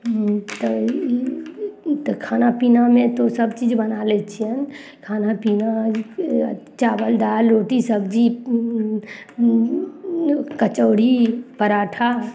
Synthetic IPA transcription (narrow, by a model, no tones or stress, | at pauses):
t̪o | t̪kʰaːnapiːnamẽt̪osəbt͡ʃiːd͡ʒbənaːlet͡ʃʰiən | kʰaːnapiːna | t͡ʃaːbəld̪aːlːoːʈisəbd͡ʒi | kət͡ʃəːɽipəɾaːʈʰa